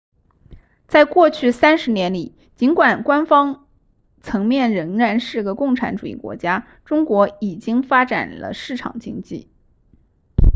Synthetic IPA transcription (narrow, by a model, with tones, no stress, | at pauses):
t͡sa˥˧ɪkwɔ˥˧t͡ɕʰy˥˩sa˥nʂɻ̩˧˥njɛ˧˥nli˨˩˦ | t͡ɕi˧˥nkwa˨˩nkwa˥nfɑ˥ŋ | t͡sʰɤ˧˥ŋmjɛ˥˩nɻə˧˥ŋɻa˧˥nʂɻ̩˥˩ɡə˩kʊ˥˩ŋʈ͡ʂʰa˧˥nʈ͡ʂu˨˩ḭ˥˩kwɔ̰˧˥t͡ɕja˥ | ʈ͡ʂʊ˥ŋkwɔ˧˥i˨˩t͡ɕi˥ŋfa˥ʈ͡ʂa̰˨˩nlə̰˦ʂɻ̩˥˩ʈ͡ʂʰɑ̰˨˩ŋt͡ɕi˥ŋt͡ɕḭ˥˩